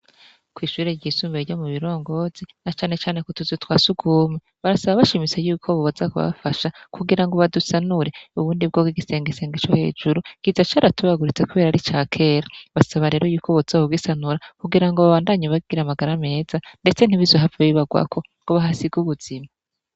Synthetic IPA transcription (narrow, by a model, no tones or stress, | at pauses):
kwiːʃuːɾeɟiːsuːmbeɾɟomuβiɾo̞ːŋɡo̞z̥inat͡ʃaːne̞t͡ʃaːne̞kutuzotwaːsuɡuːmeβaɾasaβaβaʃimit͡sejuːkʰo̞βoβazakuβa̰faʃakuɡiɾaŋɡo̞βadusanuɾe̞uβuːndib̚ɡobɡiɡise̞ːŋɡise̞ːŋɡet͡ʃo̞he̞̰ːd͡ʒuɾukizat͡ʃaːɾatuβaɡuɾit͡se̞kuβe̞ːɾaɾit͡ʃaːkʰe̞ːɾaβasaβaɾe̞ːɾo̞juːkʰo̞βoz̥aoɡɡisanuɾakuɡiɾaŋɡo̞βaβaːndaɲaβaɡiɾamaɡaɾame̞ːzande̞t͡se̞n̥iβizoɦafaβiβaɡwa̰kʰo̞ | ŋɡ̥oβaɦasiɡuβuz̥ima